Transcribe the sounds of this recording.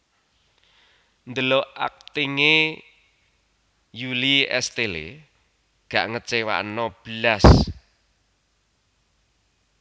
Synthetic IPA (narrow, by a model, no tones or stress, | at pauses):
nd̪əloʔa̰k̚t̪iŋe | juliɛ̰st̪elḛ | ɡ̥aʔŋət͡ʃewa̰ʔnɔb̥əlas